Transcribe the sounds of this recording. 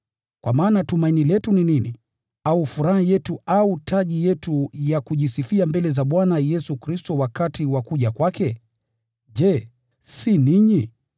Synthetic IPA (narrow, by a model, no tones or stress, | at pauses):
kwa̰maːnatumainilɛtuninini | aufuɾahajɛtuautʰaʄijɛtujakuʄisifiambɛlɛzaɓwanajɛsukɾistɔwakatiwakuʄakwakɛ | ʄɛ | siniɲi